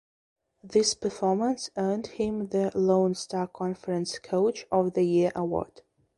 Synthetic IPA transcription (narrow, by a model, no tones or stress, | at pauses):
ðɪspʰə˞fɔɹmə̃nsɜ˞ndhɪ̃mðəlõʊ̃nstʰɑkʰɑ̃nfəɹɨ̃nskʰoʊt͡ʃɔvðəjɪɹʔəwɔ̰ɹd̥